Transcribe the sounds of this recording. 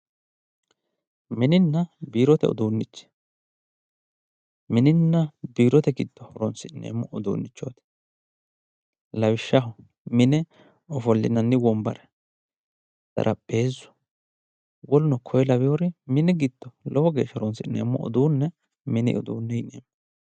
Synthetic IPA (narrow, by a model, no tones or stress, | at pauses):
mɪnɪnːɐbiːɾɔt̪ɛ̰ɔ̰d̪uːnːɪt͡ʃːɛ̥ | mɪnɪnːɐbiːɾɔt̪ɛɡɪd̪̥ːɔhɔɾɔnsɪnːḛːmːɔʔɔd̪ṵːnːɪt͡ʃːo̰ːt̪ɪ̥ | lɐwɪʃːɐɦɔ | mɪnɛ | ɔfɔlːɪ̰nɐnːɪwɔmbɐɾɛ | d̪̥ɐ̰ɾʔɐpʼːe̞ːzːʊ̥ | wɔlʊnɔkʰɔjɛlɐbɪjɔɾɪmɪnɪɡɪd̪̥ːɔlɔwɔɡe̞ːʃːɔɾɔnsɪnḛːmːɔ̰ʔɔ̰d̪uːnːɛ | mɪnɪ̰ʔɔ̰d̪ṵːnːɛɪnḛːmː